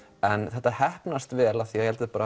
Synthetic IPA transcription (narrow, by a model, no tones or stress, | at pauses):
ɛnθɛht̪ːahɛhpnast̪vɛːlaθijɛhɛlt̪ɪðpaːɾa